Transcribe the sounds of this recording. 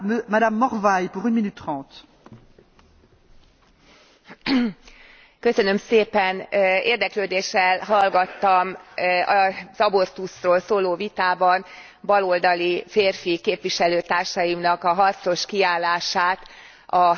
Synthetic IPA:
mad̪amːɔʁvajpuʁynminyt̪ːχɑ̃ːt̪ | kø̞sønø̞mseːpɛnḛːrd̪ɛkløːd̪eːʃːɛlɦɒlɡɒt̪ːɒmɒzɒbo̞rt̪usroːlsoːloːvit̪aːbɒn | bɒlo̞ld̪ɒlifeːrfikeːpʋiʃɛløːt̪aːrʃɒjimnɒkɒɦɒrt̪sno̞ʃkiaːlːaːʃaːt̪ | ɒ

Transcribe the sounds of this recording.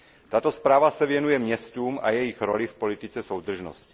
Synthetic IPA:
t̪at̪ospɾaːvasɛvjɛnujɛmɲɛst̪uːmʔa̰jɛjixɾo̰lɪfpo̞lit̪ɪt͡sɛsowd̪r̩ʒno̰scɪ

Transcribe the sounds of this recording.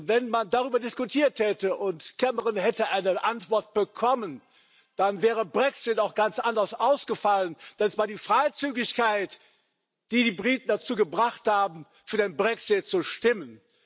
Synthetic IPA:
vɛnmandaʁyːbɐdɪskutʰiːɐthɛtəʔʊntkʰɛməʁɪnhɛtəʔaɪnəʔantv̥ɔɐt̚b̥əkʰɔmən | d̥anvɛːʁəbʁɛksɪtaʊxɡ̥ant͡sʔandɐsʔaʊsɡ̥əfalənd̥ansvaːɐdiːfʁ̥aɪt͡syːɡɪçkaɪt | d̥iːdiːbʁiːtn̩dat͡suːɡəbʁaχthaːbm̩ | fyːɐdeːnbʁɛksɪt̚t͡suʃtɪmən

